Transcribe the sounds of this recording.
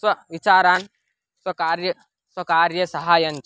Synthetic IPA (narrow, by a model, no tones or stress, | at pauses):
swɐʋit͡ʃaːɾaːn | swɐkaːɾjɐ | swɐkaːɾjɐsɐɦaːjɐn